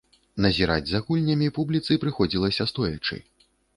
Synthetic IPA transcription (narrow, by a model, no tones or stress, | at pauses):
nɐzʲiɾa̰d͡zʲzɐɣulʲnʲɐmʲipublʲit̪sɨpɾɨxɔd͡zʲilˠɐsʲɐst̪ɔjɐ̰t͡ʂɨ̰